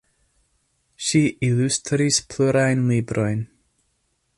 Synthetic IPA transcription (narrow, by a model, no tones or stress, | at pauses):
ʃiʔilʉstʰɾispʰl̥ʊɾajnlibɾʔɔjn